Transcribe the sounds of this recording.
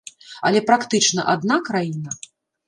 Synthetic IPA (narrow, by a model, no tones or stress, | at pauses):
ɐ̰lʲɛpɾakt̪ɨt͡ʂnɐ̰ʔad̪nakɾajinɐ